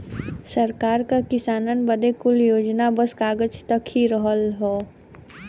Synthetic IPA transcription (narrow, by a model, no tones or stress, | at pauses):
səɾkaːɾkakɪsaːnənbəd̪ekʊljoːd͡ʒnabəskaːɡəd͡ʒt̪əkhiɾəɦəlɦɛː